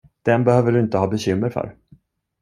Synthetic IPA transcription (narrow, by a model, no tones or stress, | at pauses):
d̪̥ɛnbɛhøːvəɖɵɪnt̪əhɑːbɛɕʏmːəɾfœ̰ːɾ